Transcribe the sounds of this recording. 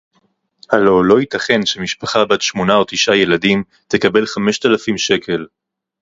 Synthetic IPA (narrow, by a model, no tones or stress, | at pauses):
halo̞lo̞it̪aχe̞nʃemiʃpaχabat̪ʃmo̞nao̞t̪iʃaje̞ladim | t̪ekabe̞lχame̞ʃt̪alafimʃe̞kʰe̞l